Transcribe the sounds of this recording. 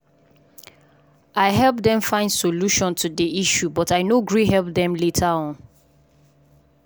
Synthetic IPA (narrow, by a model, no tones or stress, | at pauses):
aɪɦɛlp̚dɛ̃ɱfãɪ̃ndsoluʃɔ̃ntʰudiiʃjubɔtaɪnoɡɹihɛlˠp̚dɛ̃mletʰaɔ̃n